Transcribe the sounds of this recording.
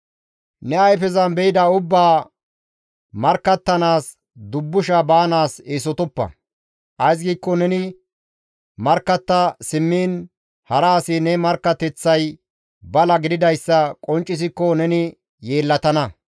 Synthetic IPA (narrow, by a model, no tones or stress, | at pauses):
nɛɐjfɛzɐnbɛɪd̪ɐʊbːaː | mɐɾkːɐt̪ːɐnaːs | d̪ʊbːʊʃɐbaːnaːseːs̬ɔt̪ɔpːɐ̰ | ʔɐjs̬ɡiːkːɔnɛnɪ | mɐɾkːɐt̪ːɐsɪmːiːn | hɐɾaːsɪnɛmɐɾkːɐt̪ɛt͡sːɐj | bɐlɐɡɪd̪ɪd̪ɐjsːɐkʼɔnt͡ʃʼːɪs̬ɪkːɔnɛnɪ | jeːlːɐt̪ɐnɐ